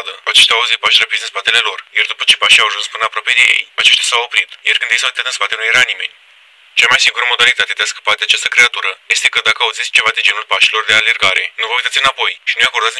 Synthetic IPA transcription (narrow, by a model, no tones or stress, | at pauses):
d̪ə̰at͡ʃe̞ʃt̪ʲaauzit̪̚paʃʲrapid̪ɨnspat̪e̞le̞lo̞rjard̪upə̥t͡ʃe̞jpaʃiawaʒunspɨnəapɾwape̞d̪e̞je̞̰jat͡ʃe̞ʃt̪ʲasawo̞pɾit̪jarkɨnd̪ejsaut̪at̪ɨnspat̪e̞nujeɾanime̞̰nʲ | t͡ʃamajsiŋɡuɾəmo̞d̪alit̪at̪ed̪easkə̥pat̪eat͡ʃast̪əkɾe̞at̪uɾəje̞st̪e̞kəd̪akəaut̪zit̪sʲt͡ʃe̞vad̪ind͡ʒe̞nulpaʃilo̞rd̪e̞ale̞rɡaɾe̞̰nuvəujt̪at̪ɨnapo̞jʃinujakorɾd̪at̪